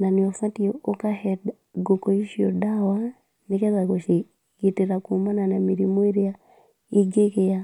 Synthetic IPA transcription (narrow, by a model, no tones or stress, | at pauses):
naniɔfatiɔokahɛd | ɡokɔiʃio̰dawa | nikɛzakoʃi | kitiɾakumananamiɾimoeɾja | iɡekeja